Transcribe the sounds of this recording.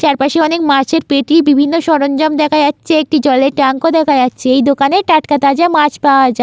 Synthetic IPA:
t͡ɕaɾpaʃeɔnekmaɾt͡ɕʰeɾpeʈibibʱinːoʃɔɾond͡ʑɔmd̪ɛkʰajatːɕʰeek̚ʈid͡ʑɔleɾʈaŋkod̪ɛkʰad͡ʑatːɕʰeejd̪okaneʈaʈkat̪ad͡ʑamaɾt͡ɕpaoad͡ʑae

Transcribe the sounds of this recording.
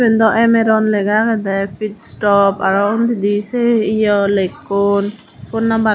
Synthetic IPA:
bɛnd̪ɔʔɛmɛɾɔnlɛɡakɛd̪ɛfit̪stɔpaɾɔund̪id̪iseijɔlekːon | kʊnːaba

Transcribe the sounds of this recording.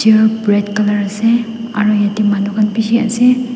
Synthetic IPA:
iəbɹɛdkalaɹasɛ | a̰ɹujatimanukʰanpisia̰sɛ

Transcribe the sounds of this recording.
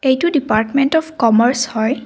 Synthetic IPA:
ejtudipaɹtmentɔpʰkɔməɹshɔj

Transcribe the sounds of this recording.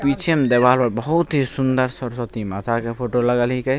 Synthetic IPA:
pit͡ʃʰemd̪ebalpəɾbəɦut̪ɦisund̪əɾsəɾsət̪imat̪ʰakepʰoʈoləɡəlɦike

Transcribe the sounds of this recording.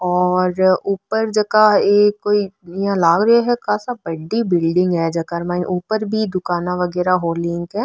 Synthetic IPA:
ɔːɾuːpəɾd͡ʒɐkaeːkoːiãlaːɡɾɐeɦɛkãːsabɐɖibɪlɖɪ̃ŋɡɦɛd͡ʒɐkaɾmãːʔuːpəɾbʱid̪ʊkaːnaʋɐɡɛːɾaɦoːlɪŋɡɦɛː

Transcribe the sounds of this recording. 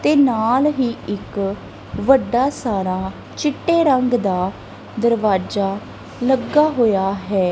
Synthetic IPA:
t̪eːnaːlɦiːɪk | ʋəɖːaːsaːɾaː | t͡ʃɪʈːeːɾəŋɡd̪aː | d̪əɾʋaːd͡ʒaː | ləɡaːɦoːjaːɦɛː

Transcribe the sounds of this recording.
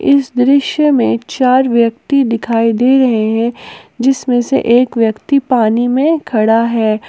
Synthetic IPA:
ɪsd̪ɾɪʃjəmẽt͡ʃaːɾʋjɐk̚t̪id̪ɪkʰaːid̪eːɾɐɦeɦɛ̃d͡ʒɪsmẽsḛʔeːkʋjəkt̪ipaːnimẽkʰɐɽaɦɛː

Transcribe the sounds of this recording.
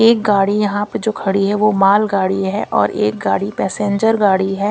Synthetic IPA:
eːk̚ɡaːɽijɐɦãpəɾd͡ʒoːkʰɐɽiɦɛʋomaːlɡaːɽiɦɛʔɔ̰ːɾeːk̚ɡaːɽipɛːsẽːɲd͡ʒəɾɡaːɽiɦɛː

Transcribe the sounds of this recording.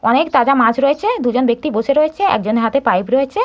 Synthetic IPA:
ɔnekt̪ad͡ʑamãd͡ʑɾoet͡ɕʰed̪ud͡ʑonbek̚t̪iboʃeɾoet͡ɕʰeɛ̰kd͡ʑoneɦat̪epajpɾoet͡ɕʰe

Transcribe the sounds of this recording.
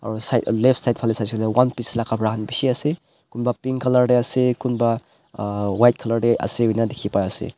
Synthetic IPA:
a̰ɾusajleptsajt̚pʰalisajslewanpislakʰapɾaɦanbisiase | kunbapiŋkʰɐlaɾɖeasekunba | wajt̚kʰɐlaɾɖeʔɐ̰seɦujnadekʰipaasḛ

